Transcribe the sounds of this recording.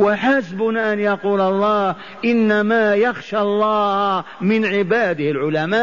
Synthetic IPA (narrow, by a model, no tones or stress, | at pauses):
waħasbʊnaʔanjɑquːlɑlˤːɑː | ʔɪnːamajaxʃaɑlˤːɑːhmɪnʕɪbaːd̪ɪhɪlʕʊlamaːʔ